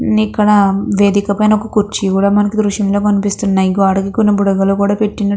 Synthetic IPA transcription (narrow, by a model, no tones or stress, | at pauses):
ikːɐɽɐʋe̞ːd̪ikɐpɐjnɐokɐkuɾt͡ʃikuːɽaːmɐnɐkid̪ɾuʃjɐmlo̞ːkɐnipist̪unːajiɡaːɽɐɡikunɐbuɽɐɡɐlukuːɽaːpe̞ʈːinɐ